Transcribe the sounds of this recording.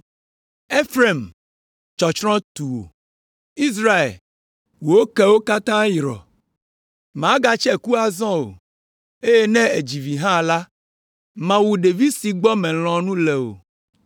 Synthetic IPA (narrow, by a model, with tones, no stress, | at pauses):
e˦fɾe˦˨m | t͡ʃɔ˨t͡ʃɾɔ̃˦t̪u˨wo̰˨ | i˦s̬ɾa˦ḛ˨l | wo˨wo˦kɛ˦wo˦ka˦t̪ã˦ji˨ɾɔ̰˨ | m˨ã˨˦ɡa˨t͡ʃɛ˦ku˦a˨zɔ̃˦o̰˨ | e˦je˦nɛ̃˦e˨d͡ʑi˨vi˨ɦã˦la˦ | mã˨wu˨ɖe˨vi˦si˨ɡ͡bɔ˦mɛ̃˨l̃ɔ̃˨nũ˦lɛ˨o̰˨